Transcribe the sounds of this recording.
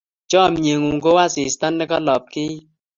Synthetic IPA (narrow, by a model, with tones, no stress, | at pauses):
t͡ʃɔ˦˨mɲe˨ŋu˨ŋ˨ɡo˦wa˦sɪ˨sta˦nːɪ˦kɔ˦lɔ˨p̚kɪ˦